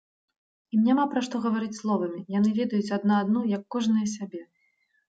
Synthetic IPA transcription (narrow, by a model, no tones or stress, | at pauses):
imnʲamapɾɐʂt̪ɔɣɐvaɾɨt͡sʲslˠɔvɐmʲijan̪ɨvʲɛd̪ɐjut͡sʲad̪naːd̪nujɐkːɔʐnɨjɐs̬ʲabʲɛ